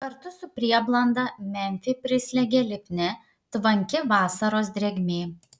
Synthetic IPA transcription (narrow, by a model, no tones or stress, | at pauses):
kɐɾt̪ʊsʊpʲɾʲiɛblˠɐnd̪ɐmʲɛmʲfʲɪpʲɾʲɪsʲlʲɛɡʲɛːlʲɪpʲnʲɛ | t̪ʋɐŋʲkʲɪʋɑːsɐɾoːs̬d̪ʲɾʲɛɡʲmʲeː